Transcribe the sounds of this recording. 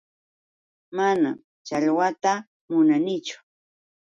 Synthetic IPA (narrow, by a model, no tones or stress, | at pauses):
mana̰m | t͡ʃaʎwat̪a | mʊnanɪt͡ʃʊ̥